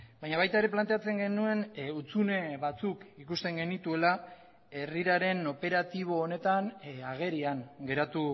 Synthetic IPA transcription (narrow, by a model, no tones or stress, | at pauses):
bajɲaβajt̪ae̞ɾe̞plant̪e̞at͡se̞ŋɡe̞nue̞nut͡sune̞βat͡sukikust̪e̞ŋɡe̞nit̪ue̞la | e̞riɾaɾe̞no̞pe̞ɾat̪iβ̞o̞ːne̞t̪anaɣ̞e̞ɾiaŋɡe̞ɾat̪u